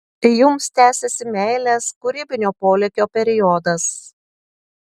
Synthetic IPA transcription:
jʊmst̪ʲæːsʲɛsʲɪmʲɛɪlʲɛskʊɾʲiːbʲɪnʲoːpoːlʲɛkʲoːpʲɛɾʲɪjɔd̪ɐs

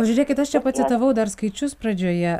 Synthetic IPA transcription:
pɐʒʲʊɾʲeːkʲɪt̪ɐʃt͡ʃʲɛpɐt̪sʲɪt̪ɐʋɐʊd̪ɐɾskɐɪt͡ʃʲʊspɾɐd͡ʒʲoːjɛ

